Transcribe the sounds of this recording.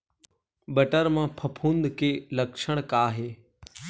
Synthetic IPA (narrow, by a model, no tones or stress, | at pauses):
bɐʈəɾmãpʰɐpʰũːnd̪kʰeːlɐkʃəɽ̃kaːɦeː